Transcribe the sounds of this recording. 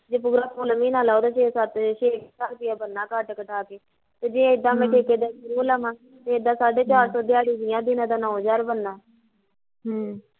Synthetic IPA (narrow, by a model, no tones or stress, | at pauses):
d͡ʒeːpʊɡɾaːpoːlmĩːnaːlaːod̪aːʃeːsət̪ʃeːkːsaːlpɪaːbənːãːkəʈkəʈaːkeː | t̪eːd͡ʒɪ̃ɪd̪ãːmɛ̃ːʈʰeːkeːd̪eːʃʊɾuːləmãː | t̪eːd̪aːsaːɖeːt͡ʃaːɾsɔːd̪ɪjaːɽiːd͡ʒɪːãːd̪ɪnãːd̪aːnɔ̃ːd͡ʒaːɾbənːaː | ɦ